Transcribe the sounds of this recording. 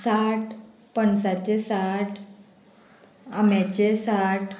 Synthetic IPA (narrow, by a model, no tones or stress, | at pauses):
saʈ | pəɳsat͡ɕesaʈʰ | amjat͡ɕesaʈ